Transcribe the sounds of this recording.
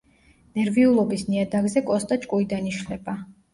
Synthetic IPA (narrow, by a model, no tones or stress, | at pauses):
nɛɾviulˠɔbisniad̪aɡzɛkʼɔst̪ʼat͡ʃʼkʼuid̪aniʃlɛba